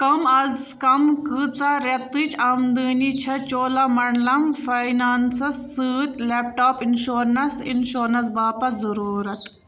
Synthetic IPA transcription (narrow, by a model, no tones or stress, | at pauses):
kɐmɐzkɐmkɨːt͡saɾet̪it͡ʃʰamd̪ɨːnit͡ʃʰɐt͡ʃoːlɐmɐɳlɐmfɐjnaːnsɐsːɨːt̪ʲleːp̚ʈaːpinʃoːɾnɐsḭnʃoːɾnɐsbaːpɐzɐɾuːɾɐt̪